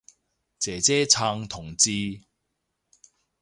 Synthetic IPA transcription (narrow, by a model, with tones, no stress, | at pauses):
t͡sɛː˨˩t͡sɛː˦˥t͡sʰa˧ŋt̪ʰʊ˨˩ŋt͡si˦˥